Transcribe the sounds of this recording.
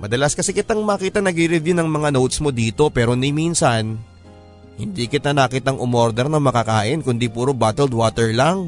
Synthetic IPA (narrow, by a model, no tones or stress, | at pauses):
mɐd̪ɐlaskɐsɛkɪt̪aŋmɐkiːt̪anɐɡɾiɾɛvjunɐŋmɐŋanowt̪̚smo̞d̪iːt̪o̞pɛːɾo̞niminsɐn | hɪnd̪iːkɪt̪anɐkit̪aŋʔʊmoɾd̪ɛɾnɐŋmɐkakaːʔɪnkʊnd̪ipuːɾobaːt̪ɛld̪waːt̪ɛɹlaŋ